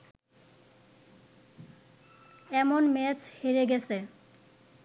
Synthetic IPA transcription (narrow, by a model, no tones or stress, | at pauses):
ɛmonmɛt͡ɕheɾeɡɛt͡ɕʰe